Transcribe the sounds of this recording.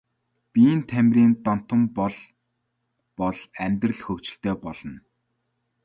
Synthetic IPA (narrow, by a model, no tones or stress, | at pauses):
pʲiːnt̪ʰæmʲrʲiːnt̪ɔn̥t̪ə̆mpɔɮ | pɔɮæmʲt̪rə̆ɮxɵkt͡ɕɪ̆ɬt̪œːpɔɮ̥ɞ̆n